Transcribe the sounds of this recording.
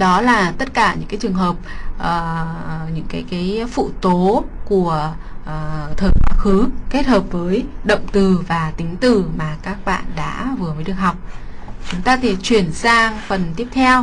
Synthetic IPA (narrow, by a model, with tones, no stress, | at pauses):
ɗɔ˨˦laː˨˩t̪ə˦˥t̚kaː˧˩ɲɨ̰˧˥kaː˨˦jt͡ɕɨ˨˩əŋɦəː˨˩p̚ʔəː˨˩ɲɨ̰˧˥ŋkaː˨˦jkaː˨˦jfṵ˧˨t̪o˨˦ku˧˩əʔːt̪ʰəː˨˩kaː˨˦˥xɨ˨˦ke˦˥t̚həː˨˩p̚vəː˨˦jɗə̰˧˨wŋ͡mt̪ɨ˨˩vaː˨˩t̪ï˨˦ŋ̟t̪ɨ˨˩maː˨˩kaː˦˥k̚ɓa̰ː˧˨nɗa̰ː˧˥vɨ˨˩əməː˨˦ɗɨ˨˩ək̚ɦa˨˩wk͡p̚t͡ɕʊ˨˦ŋ͡mt̪aː˧t̪ʰi˧˩t͡ɕwi˨˩ənsaː˧ŋfə˨˩nt̪i˦˥əp̚t̪ʰɛ˧w